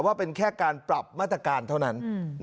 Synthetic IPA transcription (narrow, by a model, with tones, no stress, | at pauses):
waː˥˩pe˧nkʰɛː˥˩kaː˧npɾa˨˩p̚maː˥˩t̪ːɾa˧kaː˧nt̪ʰa˥˩na˦˥n